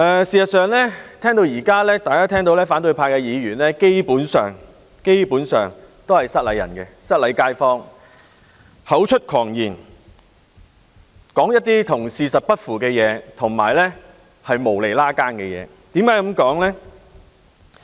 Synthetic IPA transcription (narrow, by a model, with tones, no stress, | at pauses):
ʔɛː˨siː˨sɐ˨tsœː˨˧ŋlɛː˥t̪ʰɛː˥ŋt̪o˧wjiː˨˩kaː˥lɛː˥t̪aː˨jkaː˥t̪ʰɛː˥ŋt̪o˧wlɛː˥faː˨˥nt̪ɵ˧ɥpʰaː˧kɛ˧jiː˨˧jyː˨˩nlɛː˥ke˥jpuː˨˥nsœ̰ː˨ŋ | ke˥jpuː˨˥nsœː˨˩ŋt̪o˥whɐ˨jsɐ˥t̚lɐ˨˥jɐ˨˩nkɛ˧sɐ˥t̚lɐ˨˧jkaː˧˥jfɔː˥ŋ | hɐ˨˥wt͡ʃʰɵ˥t̚kʰɔː˨˩ŋjiː˨˩n | kɔː˨˥ŋjɐ˥t̚t̪iː˥t̪ʰʊ˨˩ŋsiː˨˧sɐ˨t̚pɐ˥t̚fuː˨˩kɛː˧jɛː˨˧t̪ʰʊ˨˩ŋmaː˨˩jlɛː˥ | hɐ˨jmo˨˩wle˨˩jlaː˥kaː˥nkɛ˧jɛ̰ː˨˧˦ | t̪iː˨˥mkaː˨˥jkɐ˨˥mkɔː˨˥ŋlɛ˥